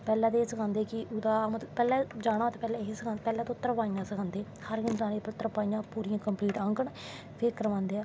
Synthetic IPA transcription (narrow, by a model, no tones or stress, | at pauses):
pɛːlɛ̃ːd̪eːsəkʰãːnd̪eːkɪʔʊd̪aːmt̪pɛːlɛːd͡ʒaːɽaːt̪ːpɛːlɛːɦesəkʰãnpɛːlɛːt̪ːʊt̪ːəɾpaːĩjãːsəkʰãːnd̪eː | həɾɡɪnt̪aːneːpʊt̪ːɾpaːĩjãːpuːɾijãːkəmpliːʈãːŋkəɳ | pʰeːkəɾəʋãːnd̪eː